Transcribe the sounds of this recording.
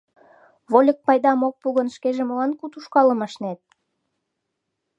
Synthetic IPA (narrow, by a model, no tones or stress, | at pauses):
βolʲək̚pɑjd̪ɑmok̚puɣə̆nʃkeʒeməlɑnkut̪uʃkɑləmɑʃnet̪̚